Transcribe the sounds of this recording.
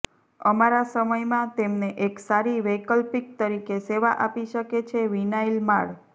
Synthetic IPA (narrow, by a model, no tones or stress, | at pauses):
əmaɾasəməjmãt̪emneʔeksaɾiʋəkəlpik̚t̪əɾikeseʋaʔapiʃəket͡ʃʰeʋinailmaɭ